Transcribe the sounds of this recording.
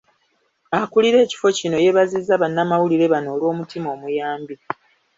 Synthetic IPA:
akuliɾe̞ːci̥fo̞cino̞je̞βazizːaβanːamawuliɾe̞βano̞ːlwo̞ːmutimo̞ːmujaːmbi

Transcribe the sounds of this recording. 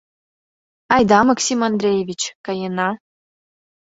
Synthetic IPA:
ɑjd̪ɑmɑksʲimɑnd̪rʲejevʲit͡ɕkɑjenɑ

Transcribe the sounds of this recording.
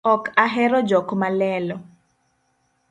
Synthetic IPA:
ɔkaɦɛɾɔd͡ʒɔkmalɛːlɔ

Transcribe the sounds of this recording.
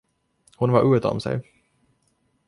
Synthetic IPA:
hʊnvaɾʔʉːt̪ɔ̰msɛ̰j

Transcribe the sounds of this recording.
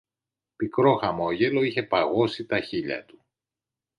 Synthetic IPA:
pikɾo̞xɐmo̞ʝe̞lo̞içe̞pɐɣo̞sit̪ɐçiʎɐ̰t̪u̥

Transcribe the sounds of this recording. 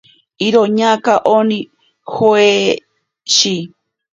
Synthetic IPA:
iɾoɲãkaʔonĩ | hoe | ʃi

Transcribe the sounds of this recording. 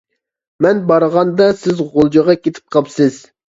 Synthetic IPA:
mɛnbɑɾəʁɑnd̪ɑsɪzʁolˠd͡ʒɑʁɑkʲet̪ʰɪ̥p̚qʰɑpsɪz̥

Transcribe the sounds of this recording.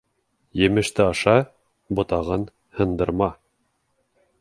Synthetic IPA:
jɘ̆mɘ̆ʃt̪ɘɑʃɑ | bŏt̪ɑʁɤn | hɤ̆nd̪ɤ̆ɾmɑ

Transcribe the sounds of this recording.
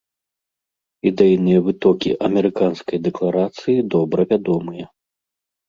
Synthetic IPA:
id̪ɛjinɨjɐvɨt̪ɔkʲiʔɐmʲɛɾɨkanskɐjd̪ɛklˠaɾat̪sɨjid̪ɔbɾɐvʲad̪ɔmɨjɐ

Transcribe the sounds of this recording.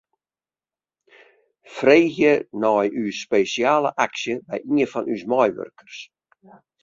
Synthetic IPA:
freːxjənɔjyspejsiaːlˠə̰ʔaksjəbɛ̰jiəfɔnysmɔjʋø̰rkʰərs

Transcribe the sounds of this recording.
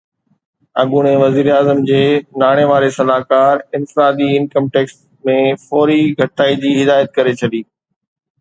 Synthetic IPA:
ɐ̰ɡuɽ̃ẽʋɐziːɾeaːzəmd͡ʑeːnaːɽ̃eʋaːɾesɐlaːkaːɾɪ̃nfɪɾaːd̪iɪnkəmʈeːks | mẽfɔːɾiɡʱɐʈaːid͡ʑiːɦɪd̪aːjət̪̚kɐɾet͡ɕʰɐɗiː

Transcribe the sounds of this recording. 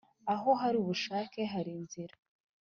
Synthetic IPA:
aɦo̞ɦaɾiuβuʃaːke̞ɦaɾinziɾa

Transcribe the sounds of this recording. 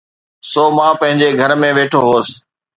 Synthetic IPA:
soːmãːpɐ̃ɦɪ̃ɲd͡ʑeɡʱəɾmẽːʋeːʈʰoːɦoːs

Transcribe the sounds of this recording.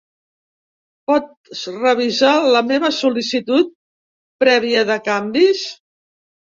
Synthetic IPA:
pɔt̪̚ | srəβ̞izaləmeβəsulisit̪ut̪̚ | pɾɛβ̞iəðəkambis

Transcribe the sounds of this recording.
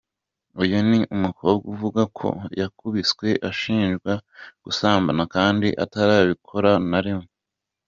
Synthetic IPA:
ujuniʔumukooɡuvuɡakʰo̰jakuβit͡swe̞ʔaʃiːnʒɡwaɡ̥usaːmbanakaːndiʔa̰taɾaːβikʰo̞ɾanaɾimo

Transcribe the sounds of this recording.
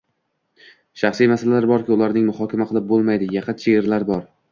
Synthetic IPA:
ʃɑχsijmasalalaɾbɒɾkʲɪʊlˠaɾnɪŋmʊhɒkʲʰamaqʰɨlˠɪp̚bolˠmajd̪ɪjɑqʰɑt͡ʃʰeeɾlaɾbɒɾ

